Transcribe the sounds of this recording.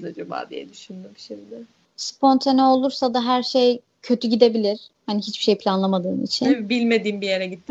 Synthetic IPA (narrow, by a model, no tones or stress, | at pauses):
d̪ad͡ʒuba̰ːd̪ḭjɛ̰d̪yʃynd̪ymʃimd̪ɛ | spo̞nt̪ʰanɛo̞lˠuɾsad̪aɦæɾʃej | cʰø̞t̪ʰyɟid̪e̞bilʲiɾ̥haniɦit͡ʃbiʃe̞jpʰlʲanlˠamad̪ɯːnḭt͡ʃʰinbilʲme̞d̪iːmbijeɾɛɟit̪ːi